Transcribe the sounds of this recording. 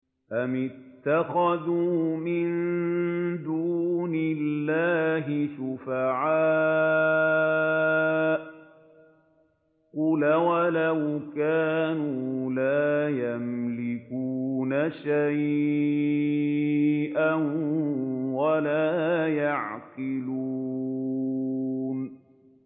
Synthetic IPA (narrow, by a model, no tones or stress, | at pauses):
ʔamɪt̪ːaxaðuːmɪn | d̪uːnɪlːaːɦɪʃʊfaʕaː | ʔ | qʊlawalawkaːnuːlaːjamlɪkuːnaʃaj | ʔan | walaːjaʕqɪluː | n